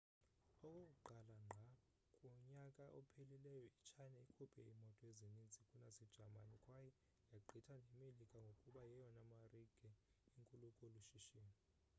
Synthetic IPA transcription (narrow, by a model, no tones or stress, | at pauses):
ɔkʼokuǃalaŋ͡ǃʱa | kʼɔɲakʼaʔɔpʰelilɛjɔit͡ʃʰajnaikʰupʰɛ̰imɔtʼɔezinind͡zʱikʼunazid̥ʒ̥ʱama̰nikʼwajɔ | jaǃʱitʰanʱɛmelikʼaŋɡʱokʼuɓajɛjɔnamariɡ̥ʱɛiŋkʼulukʼuluʃiʃiːmi